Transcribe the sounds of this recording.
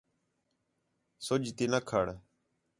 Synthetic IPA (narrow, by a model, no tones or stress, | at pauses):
sʊd͡ʒt̪iːnəkʰəɽ